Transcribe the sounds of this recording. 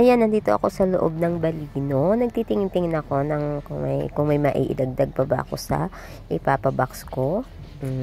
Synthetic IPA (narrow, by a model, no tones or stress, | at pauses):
ʔɐjanːɐnd̪iːt̪o̞ʔɐ̰ko̞sɐloʔo̞b̚nɐŋbɐliːno̞nɐɡ̚t̪iːt̪ɪŋɪnt̪ɪŋɪnɐko̞nɐŋkʊŋmɐ̰jkʊŋmɐjmɐʔḭːʔɪ̰d̪ɐɡ̚d̪ɐɡ̚pɐbɐʔɐ̰ko̞̰sɐ̰ | ʔɪpaːpɐbɐksko̞ | m̩